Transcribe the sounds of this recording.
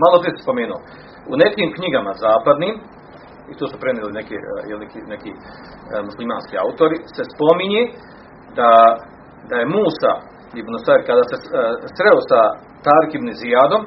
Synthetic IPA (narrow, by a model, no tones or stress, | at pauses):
malˠop̪ɾiːt̪spomʲeːnoː | unek̪ʲiːmkɲiɡamazaːpad̪niːm | it̪usupɾɛnilˠinekʲijɛ̰lˠnekʲinekʲiː | muslˠima̰ːnskʲia̰wt̪oɾisespomiɲeː | d̪a | d̪aemuːsa̰ | ibnusaɾkad̪aːsesɾɛwosa | t̪aːɾikʲibneziaːd̪om